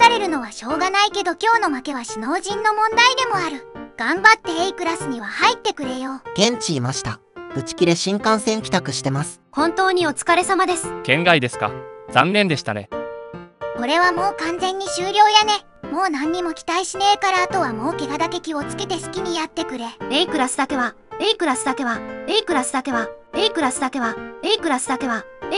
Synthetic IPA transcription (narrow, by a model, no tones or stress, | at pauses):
t̪aɾe̞ɾɯ̟no̞βaɕo̞ːɡanaike̞d̪o̞kʲo̞ːno̞make̞βaɕino̞ːʑĩnːo̞mõ̞nd̪aid̪e̞mo̞aɾɯ̟ɡ̥ãmbat̪ːe̞eikɯ̟ɾasɨɲ̟iβ̞ahait̪ːe̞kɯ̟ɾe̞jo̞ːɡ̥ẽ̞ɲ̟t͡ɕiːmaɕi̥t̪ḁ | ɯ̟t͡ɕi̥kʲiɾe̞ɕĩŋkãɰ̃sẽ̞ŋkʲi̥t̪akɯ̟ɕi̥t̪e̞masɨ̥kõ̞nt̪o̞ːɲ̟io̞t͡sɨ̥kaɾe̞samad̪e̞sɨ̥kẽ̞ŋɡaid̪e̞sɨ̥ka̰z̥ã̰nːẽ̞nd̪e̞ɕi̥t̪a̰ne̞̰ | ko̞ɾe̞βamo̞ːkãnd͡zẽ̞ɲ̟ːiɕɨːɾʲo̞ːjane̞ | mo̞ːnãɲ̟ːimo̞kʲi̥t̪aiɕine̞kaɾaːt̪o̞βamo̞ːke̞ɡad̪ake̞kʲiot͡sɨ̥ke̞t̪e̞sɨ̥kʲiɲ̟ijat̪ːe̞kɯ̟ɾe̞eikɯ̟ɾasɨ̥d̪ake̞βa | eikɯ̟ɾasɨd̪ake̞βaeikɯ̟ɾasɨ̥d̪ake̞βaeikɯ̟ɾasɨd̪ake̞βaeikɯ̟ɾasɨd̪ake̞β̞ae